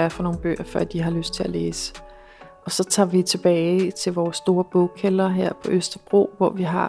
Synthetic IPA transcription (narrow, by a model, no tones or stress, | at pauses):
æɐfɒno̝ːn̩b̥ø̰ːɐfɶɐ̰d̥iɦɑ̈løsd̥̚t͡sʰe̝læleːsə̥ | ɒ̽sɒ̽t͡sʰɑ̰̈ʋit͡sʰe̝b̥ɛːt͡sʰe̝lʋɒːsːd̥o̝ːɐb̥ɔʊkʰːelɐɦeɐ̰pʰɒ̽ʔøsd̥ɐb̥ʁo̝̰ːʋɒʋiɦɑ̈